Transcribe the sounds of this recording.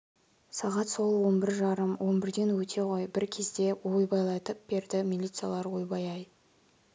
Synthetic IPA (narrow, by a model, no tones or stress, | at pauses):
sɑʁɑt̪so̞lˠwo̞nbɪɾʒɑɾəmwʔo̞nbɪɾd̪e̞nwɵt̪ʰe̞ʁo̞jbɪɾkʲʰezd̪e̞wojbɑjlˠɑt̪əp̚b̥e̞ɾd̪ɪmʲilʲit̪sɨja̰lˠɑɾwojbɑjɑj